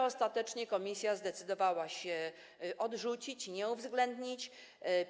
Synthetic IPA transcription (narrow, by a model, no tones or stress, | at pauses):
ɔst̪at̪ɛt͡ʂɲɛkɔmʲisʲjazd̪ɛt̪sɘd̪ɔvawaɕɛ | ʔɔd̪ʐut͡ɕit͡ɕɲɛuvzɡlɛnd̪ɲit͡ɕ